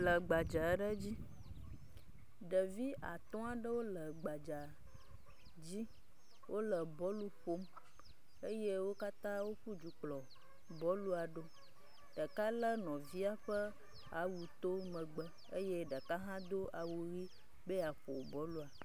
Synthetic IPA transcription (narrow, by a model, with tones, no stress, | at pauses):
lə˨ɡ͡ba˨d͡ʒa˨ɖə˦d͡ʑi˦ | ɖə˨vi˦ʔa̰˨t̪ɔ̃˦a˨ɖə˦wo˦lə˨ɡ͡ba˨d͡ʒa˨ | d͡ʑi˦ | wʔo˦lə˨bɔ˦lu˦ɸo˦m | e˦je˦wo˦ka˦t̪ã˦wo˦ɸu˦d͡ʒu˨k͡plɔ˨ | bɔ˦lu˦a˨ɖo˦ | ɖə˨ka˦lə˦nɔ̃˨vi˦a˦ɸə˦ | a˨˦wu˨t̪o˦mə̃˨ɡ͡bə˦ | ə˦je˦ɖa˨ka˦ɦã˦d̪o˦a˨wu˨ɾi˦ | be˦a˨ɸo˨bɔ˨˦lu˦a˨